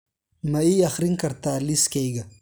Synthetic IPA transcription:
mɐiɐxɾiŋkɐɾt̪aːliskejɡɐ

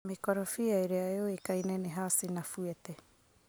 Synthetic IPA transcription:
mekoɾafiajɾeaeoekajneneɦaːsinafuete

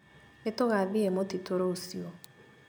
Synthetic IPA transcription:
etoɣaðiemotitʰoɾosiɔ

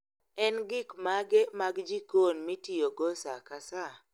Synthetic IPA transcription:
ɛnɡɪkmaɡemaɡd͡ʒikonmitijoɡosakasa

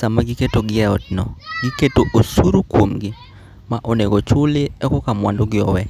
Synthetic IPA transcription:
amaɡɪketoɡɪɛɔt̚nɔ̰ɡɪketoʔosuɾukwomɡɪ | maʔoneɡot͡ʃʊlɪɛkɔkamwa̰ndoɡɪɔ̰wɛ

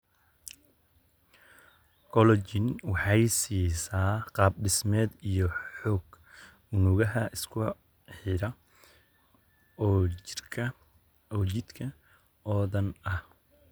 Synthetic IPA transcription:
kʰɔlɔt͡ʃɪnwɑħɑjsiːsaːqɑːb̚ɖɪsmɛːd̪ijɔħɔːɡ | ʊnʊɣɐɦɐʔɪskʰʊ | ħɪɾɐ | ɔːt͡ʃɪd̪kʰɐ | ɔːðɐnɐh

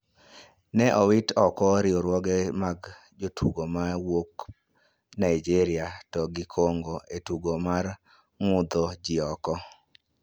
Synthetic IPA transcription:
nɛʔɔwɪtɔkɔɾɪɔɾwɔɡɛmaɡ | d͡ʒotʰuɡomawok | naid͡ʒiɾɪatɔɡɪkʰoŋɡoetuɡomar | mʊd̪ɔd͡ʒɪɔkɔ

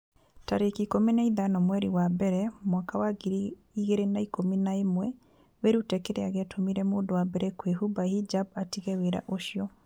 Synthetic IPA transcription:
taɾekikomenaiðanɔmwɛɾiwabɛɾɛmwakawaɣiɾi | iɣeɾenaikominaemwɛ | weɾutɛkeɾeaɣɛatʰomiɾɛmoːndowabɛɾɛkweɦubahid͡ʒabatiɣɛweɾa̰ʔoʃjɔ

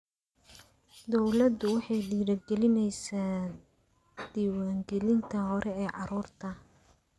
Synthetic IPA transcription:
d̪ɔwlɐd̪ʊwɑħɑjɖiːɽɐɡɛlɪnɛjsaː | d̪̥iːwaːŋɡɛlɪnt̪ʰɐɦɔɾʔɛɛːʕɑɾuːrt̪ʰɐ

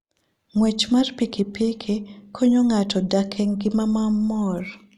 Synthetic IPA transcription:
ŋwet͡ʃmarpikipikʰikʰoɲoŋatɔdakʰɛŋɡɪmamamɔr

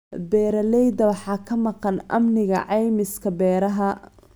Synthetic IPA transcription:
bɛːɾɐlɛjd̪ɐwɑħɑːkʰɐmɑqɑnʔɐ̰mnɪɣɐ̰ʕɑjmɪskʰɐbɛːɾɐɦɐ

